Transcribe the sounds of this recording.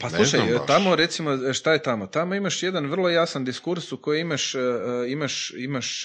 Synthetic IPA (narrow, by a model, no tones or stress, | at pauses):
paslˠuʃajt̪amo̞ɾe̞t̪simoʃt̪ajet̪amo̞t̪amoimaʃje̞d̪anʋr̩lˠo̞jasand̪iskuɾsuko̞jiimaʃimaʃimaʃ